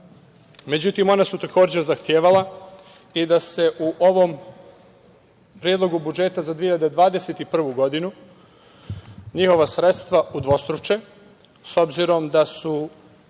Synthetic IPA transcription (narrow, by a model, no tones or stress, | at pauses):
me̞d͡ʑut̪imo̞nasut̪ako̞ːd͡ʑeɾzaxt̪jeːʋala | id̪ase̞ʔuʔo̞ʋo̞m | pɾjed̪lˠo̞ɡubud͡ʒe̞t̪azad̪ʋieiʎad̪ed̪ʋaːd̪eset̪ipr̩ʋuɡo̞d̪inu | ɲixo̞ʋasɾe̞t̪st̪ʋaud̪ʋo̞st̪ɾut͡ʃe | so̞bziɾo̞md̪asu